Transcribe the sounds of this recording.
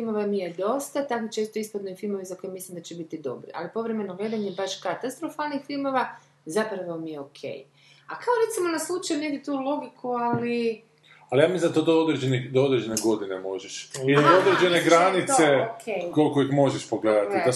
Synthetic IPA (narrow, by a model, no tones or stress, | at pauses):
ilmo̞ʋamijed̪o̞st̪at̪akot͡ʃe̞st̪oispad̪noifilˠmo̞ʋizako̞jemislimd̪at͡ɕebit̪id̪o̞̰bɾḭʔa̰lipo̞ʋɾe̞me̞noɡle̞ːd̪aɲebaʃkat̪ast̪ɾo̞falnixfilˠmo̞ʋa | zapɾaʋomijeokʰe̞̰j | akao̞ɾet̪simo̞naslˠut͡ʃajuneɡd̪ʲit̪ulˠo̞ɡikuali | alijamizat̪od̪ood̪ɾed͡ʑenixd̪ood̪ɾed͡ʑe̞neɡo̞d̪inemo̞ʒeʃiod̪ɾed͡ʒeneɡɾanit̪sekolkoixmo̞ʒeʃpoɡleːd̪at̪id̪a